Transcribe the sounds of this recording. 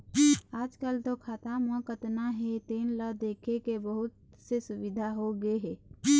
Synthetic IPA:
aːd͡ʒkəlt̪okʰaːt̪amə̃kət̪naɦet̪eːnləd̪eːkʰekebəɦʊt̪ | sesʊbɪd̪ʱaɦoɡəeɦɛː

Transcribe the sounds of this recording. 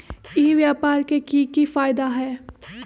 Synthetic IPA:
ɪɦʋjaːpaːɾkekikifaːɪd̪aɦɛː

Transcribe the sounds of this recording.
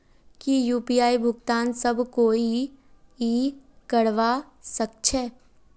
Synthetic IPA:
kijuːpiːaːibʱʊɡt̪aːnsəbʱkoːi | ikəɾʋa | sək̚t͡ʃʰɛ

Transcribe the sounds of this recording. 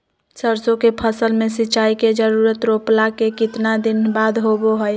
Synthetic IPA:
səɾsõkepʰəsəlmẽsiːt͡ʃaiked͡ʒəɾuɾət̪ɾoplakekɪt̪nad̪inbad̪ʱɦoboɦəj

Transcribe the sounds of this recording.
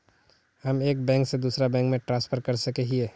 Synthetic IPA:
həmeːkbɛ̃ːŋksed̪uːsɾabɛ̃ːŋkmẽʈɾãnspʰəɾkəɾsəkeɦieː

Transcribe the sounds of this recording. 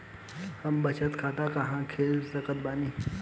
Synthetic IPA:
həmbət͡ɕʰət̪kʰaːt̪akaɦãkʰeːlsəkət̪̚baːni

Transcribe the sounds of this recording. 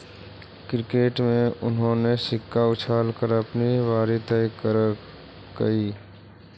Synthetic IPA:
kɾɪkeːʈmẽʊnɦõnesɪkːaʊt͡ʃʰaːlkəɾəpniʋaːɾit̪əkəɾ | kəiː

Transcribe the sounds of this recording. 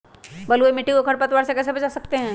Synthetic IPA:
bəlumiʈːikokʰəɾpət̪waːɾsekɛːs̬ebəd͡ʒasəkt̪eɦɛ̃ː

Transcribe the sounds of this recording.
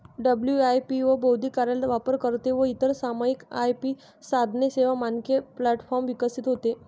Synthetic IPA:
ɖəbljuajpiʋəbowd̪ʱikaɾalʋapəɾkəɾt̪eʋəit̪əɾsamaikajpiː | sad̪ʱneseʋamankeplæʈfɔɾmʋikəsit̪ɦot̪e

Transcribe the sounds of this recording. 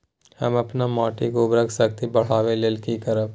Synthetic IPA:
hɐ̰mɐpnamɔːʈikobɾəkʰsɐkt̪ibɐɽ̤aːʋeleːlkikəɾəb

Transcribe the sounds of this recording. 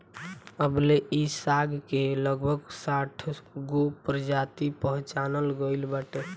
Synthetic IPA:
əbleisaɡkeləɡbʱəɡsaʈʰɡopɾəd͡ʒat̪ipəɦũt͡ʃanəlɡəɪlbəʈe

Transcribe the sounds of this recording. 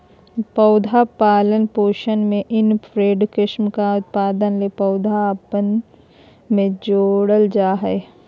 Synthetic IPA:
pəʊd̪ʱapaːlənpoːʃənmẽʔɪnpʰɾeːɖkɪʃmkaʊt̪̚paːd̪ənlepɐʊd̪ʱapən | mẽd͡ʒoːɽəld͡ʒaːɦɛ

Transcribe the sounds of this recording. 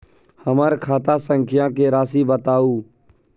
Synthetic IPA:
həməɾkʰaːt̪aːsəŋkʰɪjãːkeːɾaːsiːbət̪aːuː

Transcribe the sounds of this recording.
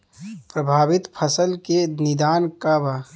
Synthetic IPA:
pɾəbʱaːbɪt̪pʰəsəlkenɪd̪aːnkaba

